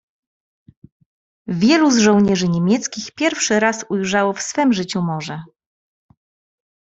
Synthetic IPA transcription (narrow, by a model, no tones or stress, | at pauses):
vʲjɛluzʐɔ̃w̃ɲɛʐɘɲemʲjɛt̪skʲixpʲjɛɾfʂɘɾasujʐawɔfsfɛmʐɘt͡ɕumɔʐɛ